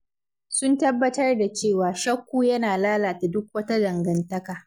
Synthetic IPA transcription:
sʊ˦ntɐ˦bːɐ˦tɐ˦rda˨t͡ʃeː˦˨waː˨ʃɐ˦kʷːuː˦jɐ˦naː˨laː˦laː˨ta˨dʊ˦k̚wɐ˦ta˦dɐ˨ŋɡɐ˨ntɐ˦kaː˨

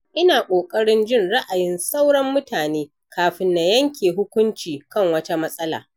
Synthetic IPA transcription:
ʔɪ˦naː˨kʷʼoː˨kʼɐ˦ɽɪ˦nd͡ʒɪ˦˨nɽa˦ʔa˨jɪ˦nsa˦wɽɐ˦mːʊ˦taː˨neː˦ | kʰaː˨ɸɪ˨˦nːa˨jɐ˦ŋkʲeː˨ɦʊ˦kʷʊ˦nt͡ʃiː˨kɐ˦˨ŋwɐ˦ta˦mɐ˦sʼɐ˦la̰ː˨

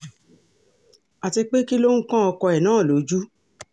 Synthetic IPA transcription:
a˨ti˧k͡pe˦ki˦lo˦ŋ̩˦kã˦ɔ˧kɔ˧ɛ˨nãː˨˦˨lo˨˦d͡ʒu˦

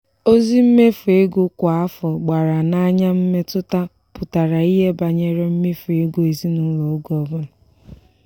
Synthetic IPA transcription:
o˦zi˦m̩˦me˦fʊ˨e˦ɡʊ˦kʷa˦fɔ˨ɡ͡ba˨ɾa˨na˦ɲa˦m̩˦me˦tʊ˦ta˦ | pʊ˨ta˨ɾa˨i˦ɦe˦ba˨ɲe˨ɾe˦m̩˦me˦fu˨e˦ɡu˦e˨zi˦nʊ˦lɔ˨ʊ˦ɡɔ˨bʊ˦l

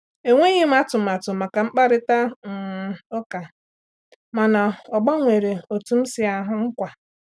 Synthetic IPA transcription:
e˨ŋʷe˦ɣɪ˦m̩˦a˦tʊ˨ma˨tʊ˨ma˨ka˨ŋ͡m̩˦k͡pa˦ɾɪ˦ta˦ŋ̩˨o˦ka˨ | ma˨na˨ɔ˨ɡ͡ba˦ŋʷe˨ɾe˨o˨tu˨m̩˦sɪ˨a˨ɦʊ˦ŋ̩˦kʷa˨

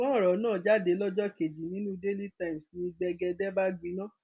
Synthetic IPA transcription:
kɔ̃˦˨ɾɔ˨˦nãː˦˨d͡ʒa˦˨de˨˧˦lɔ˦d͡ʒɔ˦˨ke˨d͡ʒi˨nĩ˨˦nũ˦de˦li˦tã˦ĩ˨m˨snĩ˧ɡ͡bɛ˧ɡɛ˧dɛ˦ba˦ɡĩ˨˦nã˦

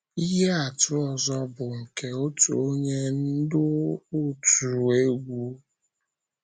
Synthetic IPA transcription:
i˦ɦe˦a˨tʊ˦ɔ˨zɔ˦bʊ˨ŋ̩˨ke˨o˦tu˨o˦ɲe˦n̩˦dʊ˦o˦tu˨ɾe˦ɡʷu˦

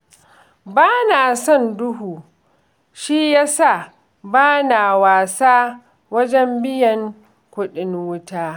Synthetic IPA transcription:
baː˦naː˨sɔ˦˨ndʊ˦ɦuː˨ | ʃi˦jaː˦sa˦˨ | baː˦naː˨waː˨saː˦ | wɐ˦d͡ʒɛ˦mbɪ˦jɐ˨ŋ | kʷʊ˦ɗɪ˦nwʊ˦taː˦

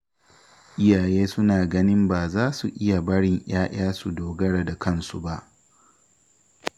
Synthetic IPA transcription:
ʔɪ˦jaː˨jeː˦sʊ˦naː˨ɡɐ˦nɪ˦mbaː˨zaː˦su˨ʔɪ˦ja˨bɐ˦ɽɪ˨ŋʔaː˦ʔaː˦su˨doː˨ɡɐ˦ɽa˨da˨kɐ˦nsṵ˨ba˦ʔ

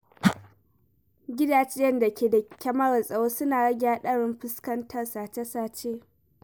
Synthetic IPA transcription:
ɡʲɪ˦daː˨t͡ʃe˦jɐ˦nda˨kʲeː˨da˨kʲɐ˦ma˦ɽɐ˨nsʼɐ˨woː˦sʊ˦naː˨ɽɐ˦ɡʲaː˦ɗɐ˦ɽɪ˦mɸɪ˦skɐ˦ntʰɐ˨rsaː˨t͡ʃe˦saː˦t͡ʃeː˦

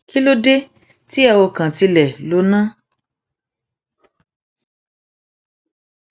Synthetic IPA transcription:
kʰi˦lo˦de˦ | ti˦ɛ˧˨wo˧kã˨ti˧lɛ˨lo˨˦nã˦

